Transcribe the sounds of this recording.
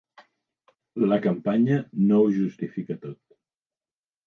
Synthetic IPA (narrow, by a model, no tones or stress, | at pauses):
ləkəmpaɲənouʒust̪ifikət̪ot̪